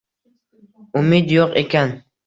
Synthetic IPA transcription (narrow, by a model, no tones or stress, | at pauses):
ʊmid̪joqḛkʲan